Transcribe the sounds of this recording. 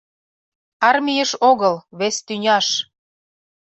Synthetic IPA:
ɑrmʲijəʃoɣəlβest̪ynʲɑʃ

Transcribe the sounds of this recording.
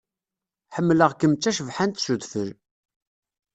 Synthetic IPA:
ħəmːləʁkəmt͡sːæʃəvħant̪suðfəɾ

